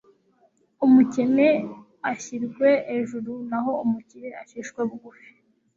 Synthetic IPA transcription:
umuceme | açiɾɡwe̞ʔːʒuɾunaɦo̞umuciɾeaçiʃkweβuɡufi̥

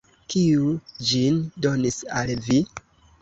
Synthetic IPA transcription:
kiud͡ʒindo̞nisalvi

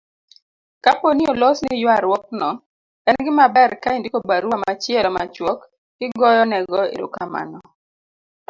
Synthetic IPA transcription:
kaponiolɔsnɪjwaɾwɔk̚nɔ | ɛnɡɪmabɛɾkaindikobaɾwamat͡ʃɪɛlɔma̰t͡ʃwɔk | ɡ̥ɪɡɔjɔnɛɡɔḛɾṵkama̰nɔ

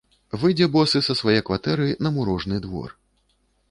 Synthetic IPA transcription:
vɨjd͡zʲɛbɔsɨsɐsvajɛjkvat̪ɛɾɨnɐmuɾɔʐnɨd̪vɔ̰r

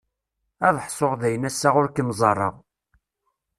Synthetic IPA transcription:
æðəħsˤoʁðæjənæsːaʁʊɾkənzˤɑrˤːə̰ʁ

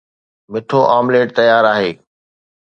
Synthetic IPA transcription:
mɪʈʰoːʔaːmleːʈ̚t̪əjaːɾaːɦeː

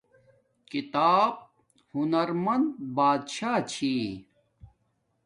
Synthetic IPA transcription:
kit̪aːb̚ | hunɐɾmɐnd̪̚baːd̪ɕaːt͡ɕʰiː

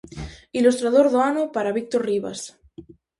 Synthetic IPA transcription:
ilust̪ɾaðoɾðoanopaɾaβik̚t̪oɾriβa̰s

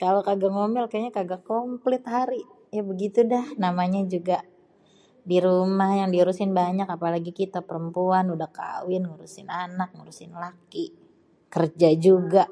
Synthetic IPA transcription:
kalokaɡaŋomɪlkaaɲakaɡakomplɪt̪ɦaɾi | jabəɡit̪udahnamaɲad͡ʒuɡa | diɾumahjaŋdiuɾusɪnbaɲakapalaɡikit̪apəɾəmpuanudahka̰wɪnŋuɾusɪnanak̚ŋuɾusɪnlaki | kərd͡ʒad͡ʒuɡaʔ

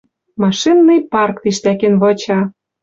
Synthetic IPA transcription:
mɑʃinːɤjpɑrkt̪iʃt̪ækĕnβɤ̆t͡ɕɑ

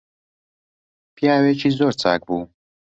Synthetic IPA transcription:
pʰijaːwet͡ʃʰiːzoːɾt͡sʰa̰ːk̚buː

